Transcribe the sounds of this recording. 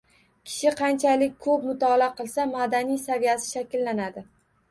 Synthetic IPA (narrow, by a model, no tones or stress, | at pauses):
kʲʰɪ̥ʃɪqʰɑnt͡ʃʰalɪk̚ʲkʰɵpmʊt̪ʰɒlaqɨlˠsamad̪anijsavijasɪʃakʲlːanad̪ɪ